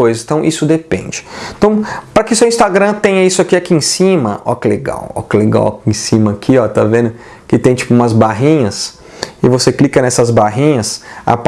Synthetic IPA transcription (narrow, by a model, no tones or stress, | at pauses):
ojzɐzẽt̪ɐ̃w̃ʔisʊd̪epḛ̃nd͡ʒɪẽt̪ɐ̃w̃pɾɐkɪsewĩst̪aɡɾɐ̃t̪ẽɲɐisʊakiakiẽsĩmɐɔ̰kɪleɡa̰wɔ̰kɪleɡa̰wa̰ẽsĩmɐːkʰiɔt̪avẽnd̪ʊ | kɪt̪ẽj̃t͡ʃi̥pʊumɐzbaɦĩɲɐs | ɪvoseklikɐnɛsɐzbaɦĩɲɐsa̰p